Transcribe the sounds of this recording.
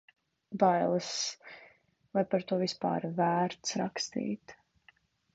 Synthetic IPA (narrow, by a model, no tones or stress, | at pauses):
bajlˠɨs | lˠajpaɾt̪uɔvispa̰ːɾvæːɾt̪sɾakst̪ḭːt̪